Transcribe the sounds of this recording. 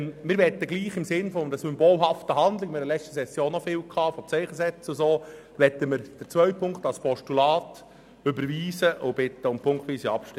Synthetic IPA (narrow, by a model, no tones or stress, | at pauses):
mɪːɾʋɛt̪ːəɡliːχɪmsɪnfɔmdəsʏmboːlɦɑftəɦɑnd̪lɪkmɪɾəlɛt͡ʃtəsɛsjoːnːɔfɪːlkʰɑːfɔt͡sɛɪχəsɛt͡sʊsoː | ʋɛt̪ːəməɾd̥əɾt͡sʋœʏpʰʊŋktɑlspʰɔʃtulɑːt | ʏbəɾʋiːsəʔʊb̥ɪt̪ːəʊmpʰʊŋktʋiːsiɑpʃtɪ